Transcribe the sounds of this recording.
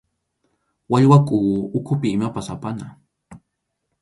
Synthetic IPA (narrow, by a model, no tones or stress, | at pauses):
waʎwakʼuːʊkʰʊpɪːmapasapana